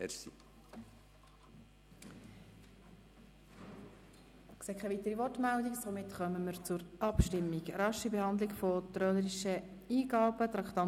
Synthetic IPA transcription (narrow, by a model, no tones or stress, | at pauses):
ɛɾsḭ | kseːkʰːaɪvit̪əɾivɔrtmældiksomɪt̪χœməməɾt͡sʊɾɑpʃtɪmːiɡɾɑʃibehɑnd̪lɪɡfot̪ɾœləɾiʃə | iːɡɑːbət̪ɾɑkt̪ɑ